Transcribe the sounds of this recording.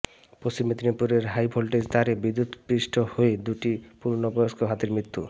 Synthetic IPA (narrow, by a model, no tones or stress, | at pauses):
pɾost͡ɕimet̪inipuɾeɾɦajbʰʱolʈest̪ʰaɾebid̪ːud̪pɾisʈʰɔhoed̪uʈipuɾnɔpɔjoskoɦat̪iɾmɾit̪ːu